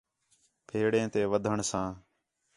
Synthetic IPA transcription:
pʰeːɽẽːt̪eːʋəd̪ʱəɳsãː

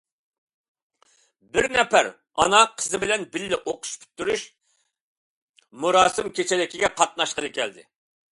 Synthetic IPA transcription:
bɪɾnɛpæ̰ɾ | ɑ̰nɑqʰəzɨbɪlɛnbɪlːɪʔoqʰʊ̥ʃpʰy̥t̪ːyɾyʃ | muɾɑːsɨmkʲʰet͡ʃʰɛlɪkʲiɡʲɛqʰɑt̪̚nɑʃqənɨkʲɛld̪ɪ̰

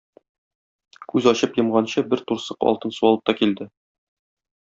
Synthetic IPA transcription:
kʉzɒɕɤpjɤ̆mʁɑnɕɤbɘɾt̪uɾsɤqɒ̰lˠt̪ɤnsuɒlˠɤp̚t̪ɒkild̪ɘ

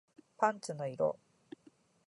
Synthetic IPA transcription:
pãnt͡ɕɨnoiɾo̰

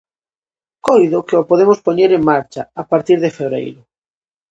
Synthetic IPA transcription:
kojðokeopoðemospoɲeɾeŋmaɾt͡ʃaapaɾt̪iɾðefeβɾḛjɾʊ

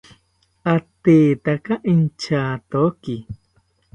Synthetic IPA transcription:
at̪eːt̪akaʔint͡ʃaːt̪oki

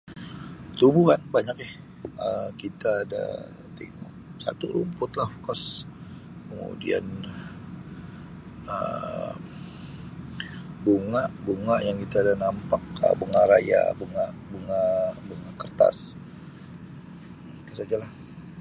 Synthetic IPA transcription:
t̪umbuhanbaɲak̚jah | əkit̪aːda̰ | t̪ḭŋṵ | sa̰t̪uɾumpʊt̪lahfkɔs | kəmṵdḭa̰n | ə | buŋaʔbuŋaʔjaŋkit̪aːdanampak̚ə̰bəŋaɾaja̰buŋaʔbuŋabuŋakərt̪a̰s | it̪asad͡ʒalah

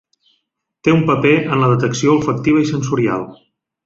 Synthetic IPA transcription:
t̪eumpəpeʔənləðət̪əksioəlˠfək̚t̪iβəisənsuɾia̰lˠ

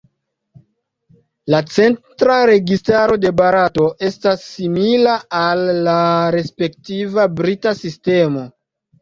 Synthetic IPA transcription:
lat͡se̞ntɾaɾe̞ɡistaɾo̞de̞baɾato̞ʔe̞stasːimilaalːaɾe̞spe̞ktivabɾitasiste̞mo̞

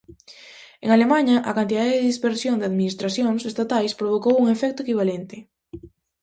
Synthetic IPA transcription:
eŋalemãɲɐʔakant̪iðaðeðeðispeɾsjoŋd̪eaðminist̪ɾasjoŋsest̪at̪ajspɾoβ̞okowuŋefɛk̚t̪ʊekiβ̞alɛnt̪ɪ

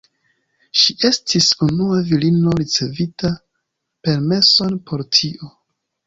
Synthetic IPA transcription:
ʃiʔe̞stʰisunuavilino̞ɾit͡se̞vita | pe̞ɾme̞so̞npʰo̞ɾtʰio̞

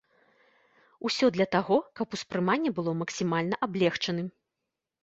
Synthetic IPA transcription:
usʲɔd̪lʲɐt̪aɣɔkɐpuspɾɨmanʲːɛbɨlˠɔmɐksʲimalʲnɐʔablʲɛxt͡ʂɐnɨm

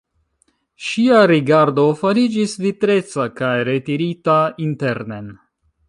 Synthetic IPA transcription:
ʃiaɾiɡaɾdo̞faɾid͡ʒisvitɾe̞t͡sakajɾe̞tiɾitainte̞ɾnen

